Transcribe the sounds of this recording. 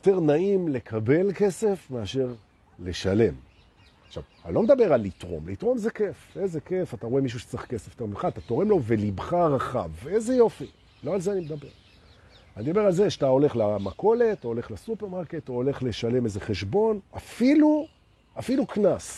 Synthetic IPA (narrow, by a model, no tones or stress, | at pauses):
joteʁnaimle̞kʰabe̞lke̞se̞fme̞aʃe̞ʁ | le̞ʃale̞m | χʃa̰va̰lo̞med̪abe̞ʁalit̪ʁo̞̰mlitʁo̞mzeke̞fezekefataʁoemiʃ̬uʃe̥t͡siχkesefjotemiχaːt̪ato̞ʁe̞mlo̞velibχaʁaχa̰vezejo̞fi | lo̞alzeanimed̪abe̞ʁ | anid̪abe̞ʁalzeʃatao̞le̞χlamako̞le̞tole̞χlesupeʁmaʁket̪ole̞χle̞ʃale̞mezeχe̞ʃbo̞nafilu | afiluknas